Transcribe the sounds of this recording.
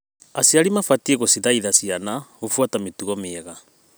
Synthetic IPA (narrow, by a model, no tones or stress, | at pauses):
asiaɾimafatieɣosiðaiðasianaofwatametuɣɔmeɣa